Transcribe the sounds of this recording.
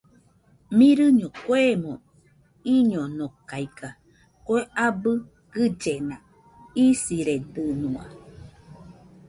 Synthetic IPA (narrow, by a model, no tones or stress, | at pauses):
mĩɾɨɲõkwemõ | iɲonokajka | kʷeabɨ | ɡ̥ɨd͡ʒenã | isiɾed̪ɨnũa̰